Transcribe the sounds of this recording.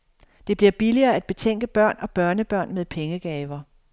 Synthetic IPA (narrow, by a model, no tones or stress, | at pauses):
d̥e̝b̥liɐb̥iliɐːæd̥̚b̥e̝t͡sʰeŋ̰ɡ̥əb̥ɶɐ̰nɒ̽b̥ɶɐnəb̥ɶɐ̰nmeðˠpʰeŋəɡ̥ɛːʋɐ